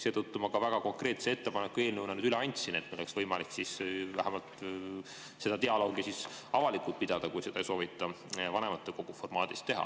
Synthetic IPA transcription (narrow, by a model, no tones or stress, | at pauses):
se̞ːt̪ut̪ːumɑkɑvæɡ̥ɑko̞ŋkre̞ːt̪see̞t̪ːe̞pɑnekːueːlʲneunɑnyːd̪yleɑnʲt̪ʲsinet̪meoeksvɤjmɑliksisvæ̰ɦæmɑlt̪ | se̞d̪̥ɑt̪eɑlo̞ːɡ̥isisɑvɑlikːˑult̪̚pid̪̥ɑd̪̥ɑkujse̞d̪̥ɑejso̞ːvit̪ːˑɑ | vɑne̞mɑt̪ːˑeko̞ɡ̥ufo̞rmɑːd̪ist̪ːe̞ɦɑ̰